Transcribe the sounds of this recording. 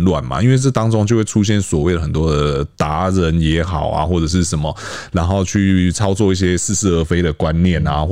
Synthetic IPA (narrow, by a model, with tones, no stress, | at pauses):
lwa̰˥˨˩nma̰˩ʔi˥nwe˥˧ɪʈ͡ʂɤ˥˩t̪ɑ˥ŋʈ͡ʂʊ˥ŋt͡ɕjo˥˧ʊwe˥˩ɪʈ͡ʂʰu˦ɕ̬jɛ˥˩nswɔ˨˩we˥˩ɪd̪ə˩ə˨˩nt̪wɔ˥d̪ə˨t̪a˧˥˦ɻə˧˦njɛ˧˥xɑ˨˩ʊa̰˦xwɔ˥˩ʈ͡ʂə˨˩ʂ̬ɻ̩˥˩ʂə˨˦nmə˩ɻa˨˥nxo˥˧ʊt͡ɕʰy˥˩t͡sʰɑ˥ʊt͡swɔ˥˧i˥˩ɕ̬jɛ˥s̩˥˧sɹ̩˥˩ə˧˥˩fe˧˥ɪɾə˨kwa˦nːjɛ˥˩na˨x